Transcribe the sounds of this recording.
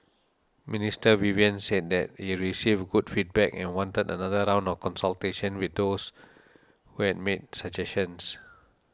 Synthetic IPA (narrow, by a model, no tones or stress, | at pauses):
ministəwiviə̃nsed̚dɛt̚hiɹisivɡudfit̚bɛkɛ̰̃nwɔ̃ntədənadəɹãw̃ndɔfkɔ̃nsəlteʃə̃nwiθ̚dos | huhɛd̚med̚səd͡ʒɛsə̃ns